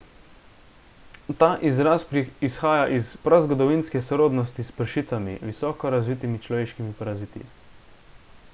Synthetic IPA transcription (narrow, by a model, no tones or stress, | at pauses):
t̪aːʔizɾaːspɾiisxaːjaʔispɾazɡɔd̪ɔʋiːnskɛsɾoːd̪nɔst̪ispəɾʃiːt̪samḭʋisɔːkɔɾazʋiːt̪imit͡ʃlɔʋeːʃkimipaɾaziːt̪ḭ